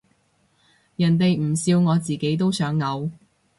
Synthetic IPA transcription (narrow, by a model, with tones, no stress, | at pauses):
jɐ˨˩nt̪̬e˨jm̩˨˩siː˧wŋɔː˨˧t͡siː˨˩ke˨˥jt̪o˥wsœː˨˥ŋːɐ˨˧w